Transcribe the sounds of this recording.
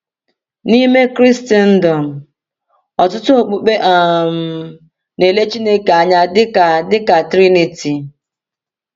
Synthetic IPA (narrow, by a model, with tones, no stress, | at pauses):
ni˦me˦kɾi˦sti˦n̩˦dɔ˨m̩˨ | ɔ˨tʊ˦tʊ˦o˨k͡pu˨k͡pe˦ʔa˨m̩˨ | ne˨le˦t͡ʃi˦ne˦ka˨ɲa˦dɪ˦ka˨dɪ˦ka˨tɾi˦ni˨ti˨